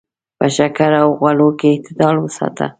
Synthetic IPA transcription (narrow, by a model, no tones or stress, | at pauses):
pəʃakaɾawɣwalokeːht̪ɪd̪ɑlwəsɑ̰t̪ʰa̰